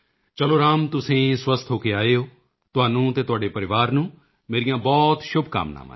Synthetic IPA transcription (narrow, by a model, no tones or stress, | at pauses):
t͡ʃəloːɾaːmt̪ʊsẽːswəst̪ʰɦoːkeːaːeːoː | t̪ʊaːnũːt̪eːt̪ʊɦaːɖeːpəɾɪʋaːɾnũː | meːɾɪjãːbɔːt̪ʃʊbʱka̰ːmna̰ːmã̰